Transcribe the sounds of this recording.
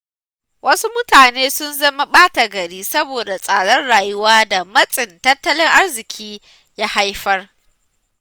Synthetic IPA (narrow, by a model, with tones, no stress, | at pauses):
wʔɐ˦su˦mʊ˦taː˨neː˦sʊ˦nzɐ˦ma˦ɓaː˦ta˨ɡɐ˨ɽiː˦sɐ˦boː˨da˨sʼaː˨ɽɔ˦nɽaː˨jʊ˦waː˦da˨mɐ˦sʼɪ˨ntɐ˦tːɐ˦lɪ˦ŋʔa˦rzɪ˨kʲʰiː˦ | jaː˦ha˦jɸɐ˦r